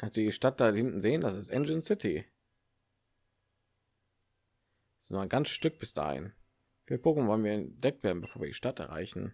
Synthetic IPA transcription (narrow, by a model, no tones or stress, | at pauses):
kanstd̥uːdiʃtat̚d̥ahɪntn̩zeːəndasɪstʔɛnd͡ʒənsɪtʰi | noaɪnɡant͡sʃtʏk̚b̥ɪsd̥a̰ːhɪ̰n | fiːɐpʰoːkn̩vɔlənviːɐɛnd̥ɛk̚tv̥eːɐdn̩bəfoːviɐdḭʃtatɛ̰ɐʁa̰ɪçn̩